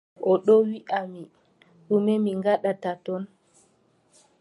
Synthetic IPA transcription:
ʔɔɗɔwiʔami | ɗumɛmiŋɡaɗatatɔn

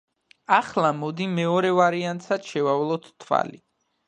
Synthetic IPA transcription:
aχlˠamɔd̪imɛɔɾɛvaɾiant̪sad̪̥ʃɛvavlˠɔt̪ːʰwa̰li

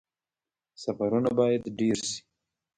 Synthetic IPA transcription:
safaɾunabɑjad̪ɖeɾʃi̥

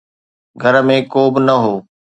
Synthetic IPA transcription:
ɡʱɐɾə̆mẽkoːbɪnɐɦoː

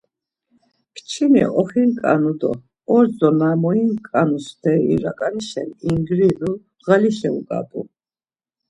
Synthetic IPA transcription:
kʰt͡ʃʰinḭʔɔχinkʼa̰nud̪ɔ̰ | ɔɾzɔnamɔinkʼanust̪ʰɛḭɾakʼaniʃɛ̰niŋɡɾinu | ʁaliʃɛukʼa̰pʼu

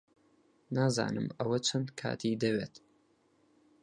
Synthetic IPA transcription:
naːza̰ːnɨmɐwɐt͡ʃʰɐnd̪kʰa̰ːt̪ʰid̪ɐweːt̪

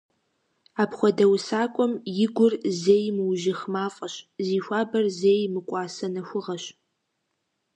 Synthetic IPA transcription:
aːpχʷɔdɐwsaːkʷʼɔmjɪɡʷʊrzeːjmɨwʒɪxmaːfʼɐɕziːxʷaːbɐrzeːjmɨkʷʼɑːsɐnɐxʷʊʁɐɕ

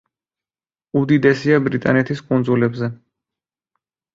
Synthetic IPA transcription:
ud̪id̪ɛsiabɾit̪ʼa̰nɛt̪ʰiskʼund̪zulɛbzɛ

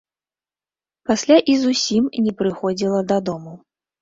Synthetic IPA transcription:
pasʲlʲaʔizusʲimnʲɛpɾɨxɔd͡zʲilˠɐd̪ɐd̪ɔmu

